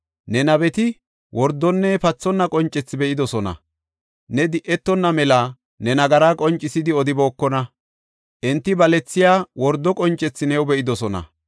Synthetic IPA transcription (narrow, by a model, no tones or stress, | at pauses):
nɛnɐβɛt̪ɪ | wɔɾd̪ːɔnːɛpɐt͡sːɔnːɐkʼɔnt͡ʃʼːɛt͡sːɪbɛʔɪd̪ɔsɔnɐ̰ | nɛd̪ɪʔɛt̪ːɔnːɐmɛla | nɛnɐɡɐɾaːkʼɔnt͡ʃʼːɪsɪd̪ɪɔd̪ɪboːkːɔnɐ | ʔɪnt̪ːɪbɐlɛt͡sːɪjaːwɔɾd̪ːɔkʼɔnt͡ʃʼːɛt͡sːɪnɛwbɛʔɪd̪ɔsɔnɐ̰